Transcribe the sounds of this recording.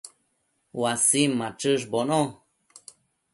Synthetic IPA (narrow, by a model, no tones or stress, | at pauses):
wasimːãʈ͡ʂɨʐbonõ